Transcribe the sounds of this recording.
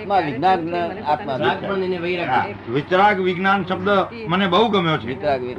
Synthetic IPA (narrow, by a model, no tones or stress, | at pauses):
t̪maʋɪɡnanəat̪maakpəɳd̪ineʋəiɾaa | ʋɪt͡ʃɾaɡʋɪɡnanʃəb̚d̪ə | mənebəɦuɡəmjot͡ʃʰeɪt͡ʃɾaɡʋi